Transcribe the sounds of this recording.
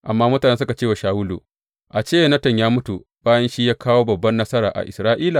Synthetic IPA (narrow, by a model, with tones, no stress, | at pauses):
ʔa˨mːaː˦mʊ˦taː˨ne˦sʊ˦ka˨t͡ʃeː˦wa˨ʃaː˨wʊ˦lṵ˨ | ʔa˨t͡ʃeː˦jnɐ˦tɐ˨ɲjaː˦mʊ˦tu˨ | baː˦jɐ˦nʃi˦jaː˦kaː˦woː˦bɐ˨bːɐ˦nːɐ˦sɐ˦ɾaː˨ʔa̰˨ʔɪ̰˨sɾaː˦ʔiː˦la˨